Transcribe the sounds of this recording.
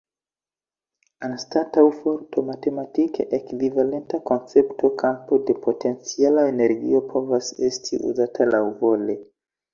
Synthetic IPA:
anstatawfo̞ɾto̞mate̞matikʰḛʔekvivale̞ntako̞nt͡se̞ptʰo̞kʰampo̞de̞pʰo̞te̞nt͡sialaene̞ɾɡḭo̞pʰo̞vase̞stʰḭʔṵzatʰalawvo̞le̞

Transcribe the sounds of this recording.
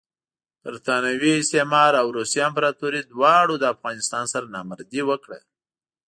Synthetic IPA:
pəɾt̪ɑnawiɪst̪emɑɾawɾusijɑmpɾɑt̪uɾid̪wɑɽod̪əafɣɑnɪst̪ɑnsaɾanɑməɾd̪iwəkɽə̰

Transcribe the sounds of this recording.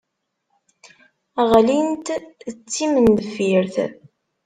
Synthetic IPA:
æʁælint̪ət͡sːiməndəfiɾθ

